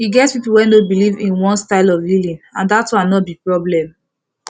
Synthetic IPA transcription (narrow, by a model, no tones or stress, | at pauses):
hiɡɛtspipuwɛ̃nobilivḭ̃nwɔ̃nstaɪlɔvlilĩnãndatwãnɔtbipɹɔblɛ̃m